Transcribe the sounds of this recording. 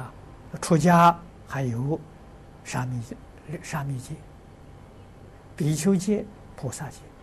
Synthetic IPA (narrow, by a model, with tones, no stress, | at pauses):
ʈ͡ʂʰwɔ˥t͡ɕja˥ | xa˧˥ɪjo˧˥ʊ | ʂa˥mi˧˩ | ʂa˥mi˥˧˨t͡ɕɛ˥˩ | pi˨˥t͡ɕʰjo˥ʊt͡ɕjɛ˥˩ | pʰɔ˨˩sa˥˧t͡ɕjɛ˥˩